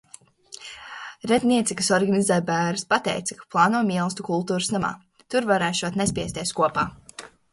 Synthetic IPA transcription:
ɾɛt̪nʲiɛt̪sikɐsɔɾɡanizæːjbæːɾspat̪ɛ̰jt̪sḁkḁplˠɑːnuɔmiɛlˠst̪ukulˠt̪uːɾusnama̰ː | t̪uɾvaɾɛːʃuɔt̪nɛs̬ʲpʲiɛsʲt̪ʲiɛskuɔpaː

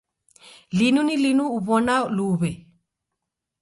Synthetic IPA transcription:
linunilinuːβɔnaluβɛ

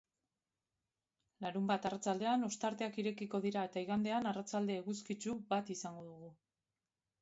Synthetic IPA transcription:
laɾumbat̪arat͡sald̪e̞ano̞st̪aɾt̪e̞akiɾe̞kiko̞ðiɾae̞t̪aiɣand̪e̞anarat͡sald̪e̞ːɣuskit͡ʃubat̪isaŋɡo̞ðuɣ̞u

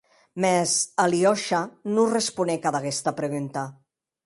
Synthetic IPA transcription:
mɛzaliɔʃanurespunɛkaðaɣɛst̪apɾeɣunt̪a

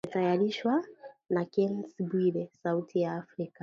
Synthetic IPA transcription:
ɛtajaɾiʃwanakɛnsbiɾɛsautʰijaːfɾika

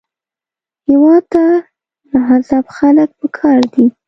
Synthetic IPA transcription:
hɪwɑd̪̚t̪a | d̪əɦazɑbxalək̚pəkʰɑɾd̪i

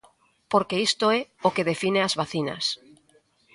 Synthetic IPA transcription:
poɾkeist̪oɛokeðefineazβaθina̰s

